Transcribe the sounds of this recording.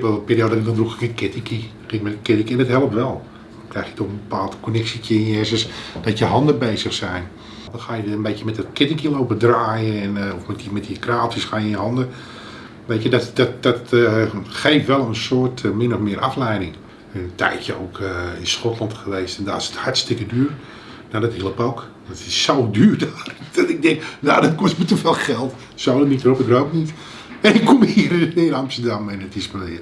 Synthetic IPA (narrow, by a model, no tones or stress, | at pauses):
ʋɛpiːɾioːdɔtɪk̚dɔndrukəkətkɪtɪki | kɪkmɛtkɪtɪŋkɛnətɦɛlˠəp̚ʋɛlˠ | dɔnkrɛjxjətɔxənbəpaːlˠtkonɛksikəɪnjɛzəsd̥ɔtjəɦɑndəbeːzəxsɛjn | dɔnxaːjəənbejkəmɛtətkɪtɪŋkiloːpədraːjəɛnɔfmɛtəmɛtjəkraːtisxaːjəəɦɑndə | ʋeːtədɔtdɔtdɔt | xejftʋɛlˠənsoətmɪnɔfmɪəʔa̰flɛjdɪŋ | ənəntʰɛ̰jtjəo̰ːkʰəɪnsxɔtlˠɑntxəʋeːstɛnda̰sə̥thartstɪkədyːər | nadɔthilˠəpowk | ɔtɪsːowdyːrdaːrd̥ɔtɪɡ̚dɛŋkjaːdɔnkɔstmətəfeːlˠxɛlˠt | solənitəropɪkroːpnit | ɛɪkʰːomhiəɾənɪːnɑmstədamɛnətɪsməmɪə